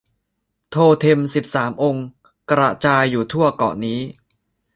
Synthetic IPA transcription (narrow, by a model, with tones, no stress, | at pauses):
t̪ʰoː˧t̪ʰe˧msi˨˩p̚saː˩˦mʔo˧ŋ | kɾa̰˧t͡ɕaː˧jːuː˨˩t̪ʰu˥˩ɐkɔ̰˨˩niː˦˥